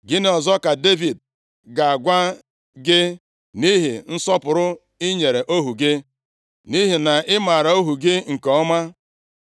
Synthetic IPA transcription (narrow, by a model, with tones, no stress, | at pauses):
ɡɪ˦nɪ˦ɔ˨zɔ˦ka˨de˦vi˨d̚ | ɡa˨a˨ɡʷa˦ | ɡɪ˦ | ni˦ɦi˨n̩˦sɔ˦pʊ˨ɾʊ˦ | ɪ˦ɲe˨ɾe˨ʔo˦ɦu˨ɡɪ˦ | ni˦ɦi˨na˨ʔɪ˦ma˨ɾa˨o˦ɦu˨ɡɪ˦ŋ̩˨kɔ˨ɔ˦ma˦